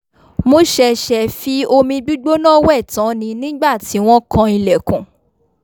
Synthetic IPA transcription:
mo˦ʃɛ˧ʃɛ˧˨fi˨˦o˧mĩ˧ɡ͡bu˦ɡ͡bo˦nã˦˨wɛ˦˨tã˨˦nĩ˧nĩ˦ɡ͡ba˦˨ti˨˦w̃ɔ̃˦kã˧i˧lɛ˨kũ˨

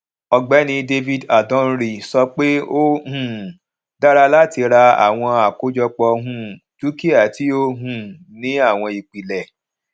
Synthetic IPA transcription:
ɔ˧ɡ͡bɛ˨˦nĩ˧de˧vi˦˨da˨dɔ̃˨˦n̩˦ɾi˨sɔ˧k͡pe˦o˦hũ˨ | da˦ɾa˧la˦ti˧ɾa˧a̰˨w̃ɔ̃˧a˨ko˨˦d͡ʒɔ˧k͡pɔ˧ɦũ˦tu˨˦ki˦a˦˨ti˨˦o˦ɦũ˨ | nĩ˨˦a˦˨w̃ɔ̃˧i˨k͡pi˨lɛ˨

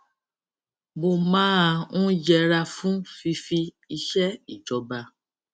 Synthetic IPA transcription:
bo˧mãː˦˧nũ˦d͡ʒɛ˧ɾa˧fũ˦fi˧fi˧ | i˧ʃɛ˦i˨d͡ʒɔ˧ba˧

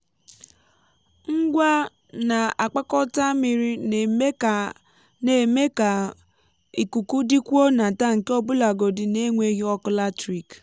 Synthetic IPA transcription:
ŋ̩˦ɡʷa˦ | na˨a˨k͡pa˦kɔ˦ta˦mi˨ɾi˦ne˨me˦˨ | ne˨me˦a˨ | i˨ku˨ku˦di˦kʷo˦na˨ta˦ŋ̩˨ke˦ɔ˦bʊ˦la˨ɡo˨dɪ˨ne˦ŋʷe˦ɣi˦ɔ˦kʊ˦la˦tɾi˨k

